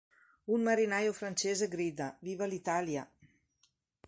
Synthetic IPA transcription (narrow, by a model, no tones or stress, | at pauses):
unməɾinajofɾənsɛzəɡɾid̪əβiβəlit̪aljə